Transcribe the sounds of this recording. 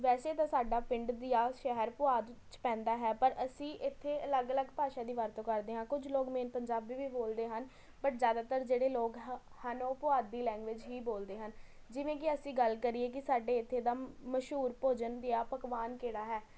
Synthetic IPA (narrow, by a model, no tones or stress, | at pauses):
ʋɛːseːt̪ãːsaːɖaːpɪ̃ɳɖd̪ijaːʃɛɦəɾpʊaːd̪t͡ʃpɛ̃ːnd̪aːɦɛːpəɾəsĩːʔɪt̪ʰːeːələɡələɡpaːʃaːd̪iːʋəɾt̪õːkəɾd̪eːɦãːkʊd͡ʒloːɡmeːnpəɲd͡ʒaːbːiːʋiːboːld̪eːɦən | pəʈzjaːd̪aːt̪əɾd͡ʒeːɽeːloːɡ | hənoːpʊaːd̪̚ːiːlɛ̃ːŋɡʋɪd͡ʒɦiːboːld̪eːɦən | d͡ʒɪʋẽːk̬ɪəsĩːɡəlkəɾieːk̬ɪsaːɖeːɪt̪ʰːeːd̪aːməʃɦuːɾpoːd͡ʒənd̪ejaːpəkʋaːnkeːɽaːɦɛː